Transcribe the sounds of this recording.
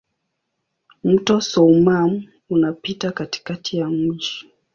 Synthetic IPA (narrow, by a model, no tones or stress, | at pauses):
m̩tɔsɔumam̩ | unapitakati̥katʰijamwiʃɔ̥